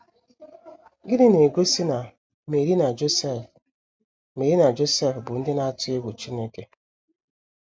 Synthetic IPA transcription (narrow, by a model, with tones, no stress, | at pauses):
ɡɪ˦dɪ˦ne˨ɡo˦si˦na˨ | me˨ɾi˦na˨d͡ʒs | me˨ɾi˦na˨d͡ʒo˦se˦˨fbʊ˨n̩˦dɪ˦na˦˨tʊ˦e˦ɡʷu˨t͡ʃi˦ne˦ke˨